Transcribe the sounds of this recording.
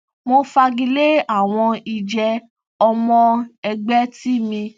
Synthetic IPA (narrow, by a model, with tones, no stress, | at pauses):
mo˧fa˧ɡi˧le˦a˦˨w̃ɔ̃˧i˧d͡ʒɛ˧ | ɔ˧mɔ̃˧ɛ˧ɡ͡bɛ˦ti˦mĩ˧